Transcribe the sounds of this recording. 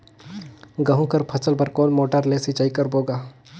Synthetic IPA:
ɡɐɦũkɐɾpʰɐsəlpɐɾkoːnmoːʈəɾleːsit͡ʃaikɐɾboːɡaː

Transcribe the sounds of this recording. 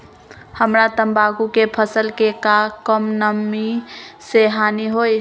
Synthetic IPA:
həmɾat̪əmbaɡukepʰəsəlkekakəmnəmːiseɦaniɦoj

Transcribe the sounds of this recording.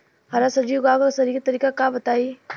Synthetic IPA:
ɦɐɾasəd͡ʒiːʋɡaːkɾsɐɾiket̪əɾiːkakabɐt̪aːi

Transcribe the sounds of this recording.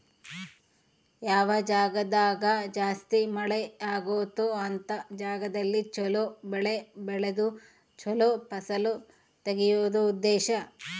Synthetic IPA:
jaːʋɐd͡ʒaːɡɐd̪aːɡɐd͡ʒaːst̪imɐɭɛaːɡoːt̪oɐnt̪ɐd͡ʒaːɡɐd̪ɐlːit͡ʃɔlobɛɭebɛɭed̪u | t͡ʃɔloːpɐsɐlu | t̪eɡijuʋd̪uud̪ːɛːʃɐ

